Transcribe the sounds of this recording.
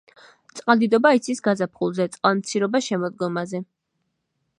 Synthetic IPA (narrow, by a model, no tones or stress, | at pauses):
t̪sʼqʼald̪id̪ɔbait̪sʰisɡazapʰχulˠzɛt̪sʼqʼalˠmt̪sʰiɾɔbaʃɛmɔd̪̚ɡɔmazɛ